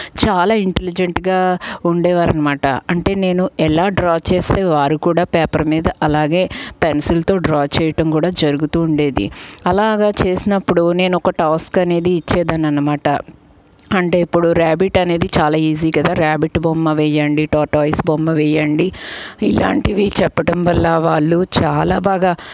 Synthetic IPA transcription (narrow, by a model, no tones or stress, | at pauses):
t͡ʃaːlaːiɳʈelid͡ʒeɳʈɡaːuɳɖɛːʋaːɾɐnɐmaːʈɐ̰ɐɳʈe̞ːne̞ːnuɛlaːɖɾaːt͡ʃe̞ːst̪e̞ːʋaːɾukuːɽaːpɛːpɐɾmiːd̪ɐʔɐlaːɡe̞ːpensulɐt̪o̞ːɖɾaːt͡ʃɛːjɐʈɐmkuːɽaːd͡ʒɐɾuɡut̪uːɳɖe̞ːd̪ḭɐlaːɡaːt͡ʃe̞ːsinɐpːuɽune̞ːnɔkɐʈaːskɐne̞ːd̪iːt͡ʃːeːd̪ɐnːɐnːɐmaːʈɐ̰ | ɐɳʈe̞ːipːuɽuɾaːbiʈɐne̞ːd̪it͡ʃaːlaːiːziːkɐd̪aːɾaːbiʈbomːɐʋɛjɐɳɖiʈaːʈoːisbɔmːɐʋɛːjɐɳɖiila̰ːɳʈiʋit͡ʃɛpːɐʈɐmʋɐlːɐʋaːɭːut͡ʃaːlaːbaːɡaː